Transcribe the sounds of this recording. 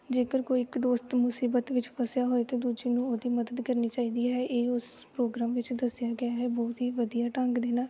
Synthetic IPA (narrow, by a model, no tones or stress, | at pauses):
d͡ʒeːkəɾkoːiːɪkd̪oːst̪mʊsiːbət̪ʋɪt͡ʃpəsjaːɦoːeːt̪ẽːd̪uːd͡ʒeːnũːoːd̪iːməd̪əd̪kəɾniːt͡ʃaːiːd̪iːɦɛːʔeːʊspɾoːɡɾaːmʋɪt͡ʃd̪əsjaːɡɪjaːɦɛːbɔːt̪iːʋəd̪ijaːʈãːŋɡd̪eːnaː